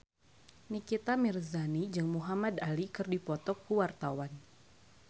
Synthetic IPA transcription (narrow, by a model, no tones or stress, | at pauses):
nikit̪amirzanid͡ʒɨŋmuɦamadalikɨrdipɔt̪ɔkːuwart̪awan